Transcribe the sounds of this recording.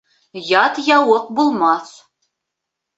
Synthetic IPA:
jɑt̪jɑwɤq̚bulˠmɑs

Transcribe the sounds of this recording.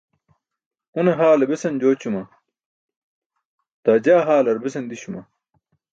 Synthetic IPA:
uneɦaːlɐbesɐnd͡ʑoːt͡ɕumɐ | t̪aːd͡ʑaːɦaːlɐɾbesɐnd̪iɕumɐ

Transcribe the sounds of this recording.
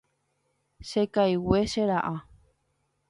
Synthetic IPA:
ʃekajweʃeɾaʔa

